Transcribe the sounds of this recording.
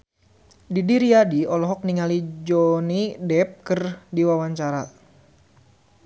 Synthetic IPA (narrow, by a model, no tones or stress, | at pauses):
didiɾiadiɔlɔɦɔk̚niŋalid͡ʒɔnidɛp̚kərdiwawaɲt͡ʃaɾa